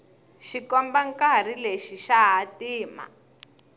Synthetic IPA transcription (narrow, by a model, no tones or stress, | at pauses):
ʃikɔmbaŋkar̤ileʃiʃaɦatiːma̰